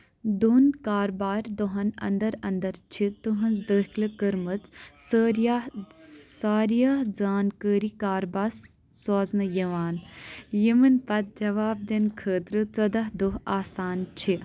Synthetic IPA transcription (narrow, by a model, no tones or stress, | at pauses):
d̪uːnkaːɾbaːɾʲd̪oɦɐnɐ̰nd̪ɐɾɐnd̪ɐɾt͡ʃʰit̪uɦɐnzd̪əːɦklɨkəɾmɐt͡ssəɾja | saːɾijaːɦd͡zaːnkəːɾikaːɾbaːs | soːznɐjɐʋaːnjimɨnpɐt̪̚d͡ʒɐʋaːb̚d̪enkʰəːt̪ɾɨt͡sɐd̪ɐɦd̪uɦaːsaːnt͡ʃʰi